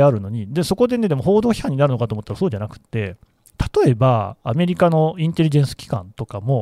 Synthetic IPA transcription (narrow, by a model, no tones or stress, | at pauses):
aɾɯ̟no̞ɲ̟id̪emsoko̞d̪e̞ne̞d̪e̞mo̞ɦo̞ːd̪o̞ːçʲi̥hãɲ̟ːinaɾɯno̞kat̪oːmo̞t̪ːaɾaso̞ːd͡ʑanakɯ̟̥t̪ːe̞ | t̪ḁt̪o̞e̞baːme̞ɾʲikano̞ĩnt̪e̞ɾʲiʑẽ̞ɰ̃sɨ̥kʲi̥kã̰nt̪o̞kamo̞